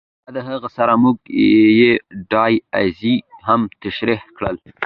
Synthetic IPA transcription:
ad̪əɦəɣasaɾamuɡ̚jeɖɑja̰ziɦamt̪aʃɾɪhkɽəl

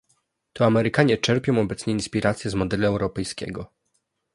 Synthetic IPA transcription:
t̪ɔamɛɾɘkaɲɛt͡ʂɛɾpʲjɔ̃w̃ɔbɛt̪sɲɛinspʲiɾat̪sʲjɛzmɔd̪ɛluɛwɾɔpɛjskʲɛ̰ɡɔ

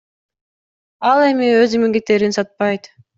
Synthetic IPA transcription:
ɑlˠe̞miøzimiŋɡet̪ːeɾinsɑt̪̚pɑjt̪

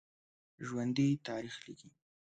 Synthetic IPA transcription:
ʒwand̪it̪ɑɾixliki

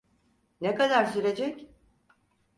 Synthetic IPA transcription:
nekad̪aɾsyɾe̞d͡ʒɛc

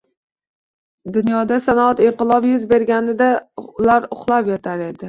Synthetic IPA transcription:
d̪ʊnjɒd̪asanat̪ɪɴqɨlˠɒpjʊzbe̞ɾɡʲanɪd̪alaɾʊχlˠapjɒt̪ʰaɾe̞d̪ɪ

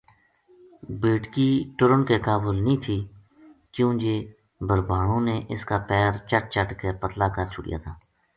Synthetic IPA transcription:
beːʈkiːʈʊɾəɳkeːkaːbʊlnĩːt̪ʰiː | kjũːd͡ʒeː | bəɾbaːɳõːneːʔɪskaːpɛːɾt͡ʃəʈ̚t͡ʃəʈkepət̪laːkəɾt͡ʃʰʊɽɪ̰ja̰ːt̪ʰaː

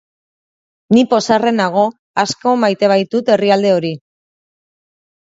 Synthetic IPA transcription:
nipo̞sare̞naɣ̞o̞ | asko̞majt̪e̞β̞ajt̪ut̪e̞riald̪e̞o̞ɾi

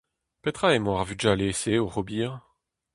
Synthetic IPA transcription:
pet̪χaemwaʁvydʒaleseoʁɔbiːʁ

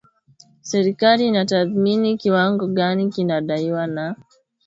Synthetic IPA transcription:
sɛɾikaliːnataθminikiwaŋɡɔɠanikinaɗaiwana

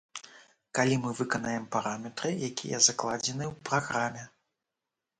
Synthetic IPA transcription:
kalʲimɨvɨkɐnajɛmpaɾamʲɛt̪ɾɨjakʲḭjɛ̰zaklˠad͡zʲɛnɨwpɾaɣɾamʲɛ

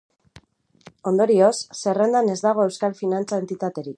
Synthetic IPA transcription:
o̞nd̪o̞ɾio̞sːe̞re̞nd̪ane̞zd̪aɣ̞o̞e̞wskalfinant͡sae̞nt̪it̪at̪e̞ɾik

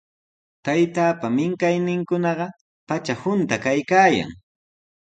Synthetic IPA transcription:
t̪ajt̪aːpamɪŋkajnɪŋkʊnɑɢɑ | pat͡ʃahʊnt̪akajkaːja̰ŋ

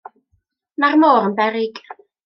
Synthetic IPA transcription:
narmoːɾənbɛɾɪɡ̥

